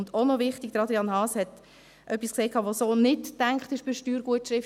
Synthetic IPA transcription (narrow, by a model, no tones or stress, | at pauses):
ndonɔvɪχtɪɡ̥̚d̥əɾɑd̪ɾiɑnhɑːshɛt | ʔœpːiskseːkʰɑːʋosoːnɪtːæŋkχtɪʃb̥ɪʃtyːɾɡ̥uətʃɾɪf